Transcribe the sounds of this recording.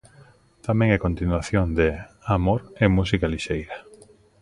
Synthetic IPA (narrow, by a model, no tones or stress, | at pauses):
t̪amẽŋɛkont̪inwaθjoŋd̪eamoɾemusikaliʃejɾa